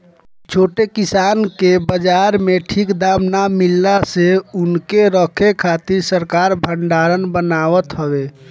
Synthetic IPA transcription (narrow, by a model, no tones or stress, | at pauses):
t͡ʃʰoʈekisankebəd͡ʒaɾmeʈʰikd̪amnamilːaseunkeɾəkʰekʰat̪iɾsəɾkaɾbʱəɳɖaɾənbənaʋət̪ɦəbe